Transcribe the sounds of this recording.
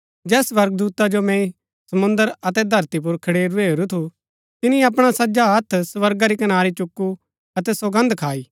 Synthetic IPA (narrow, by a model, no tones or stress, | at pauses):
d͡ʒɛːsʋɐɾɡ̚d̪uːt̪ad͡ʒomɛ̃ĩ | sɐmʊ̃nd̪əɾɐt̪ɛd̪ʱɐɾt̪ip̬ʊɾkʰɐɽeːɾueːɾut̪ʰu | t̪ɪnĩɐp̬ɽ̃asɐd͡ʒaɦɐt̪ʰsʋɐɾɡaɾikɐnaːɾit͡ʃʊkːu | ɐt̪ɛsɐɡə̃nd̪kʰaːiː